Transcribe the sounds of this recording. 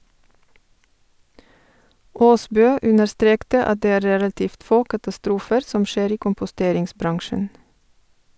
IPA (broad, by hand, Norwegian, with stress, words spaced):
ˈoːˌsbøː ˈʉnəɾˌstɾeːktə ˈɑt ˈdeː ˈæː ˈɾeːlɑtɪft ˈfoː kɑtɑˈstɾuːfəɾ ˈsɔm ˈʃeːɾ ˈiː kʊmpʊˈsteːɾɪŋsˌbɾɑŋʃən